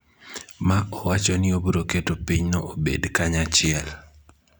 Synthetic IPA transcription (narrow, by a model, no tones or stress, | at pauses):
maʔɔwat͡ʃɔnɪobuɾoketopiɲnɔobḛdkaɲat͡ʃɪɛl